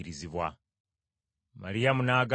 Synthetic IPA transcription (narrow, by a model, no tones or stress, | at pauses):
iɾiziβwa̰ | ma̰ɾijamunaːɡa